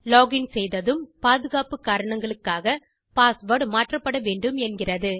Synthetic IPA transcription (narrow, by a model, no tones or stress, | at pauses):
loːɣɪnsɛjðɐðɯmpaːðɯɣaːpɯkːaːɾɐɳɐŋɡɐɭɯkːaːɣɐ | paːsʋɐɾɖmaːʈrɐpːɐɽɐʋeːɳɖɯmɛnɡɪrɐðɯ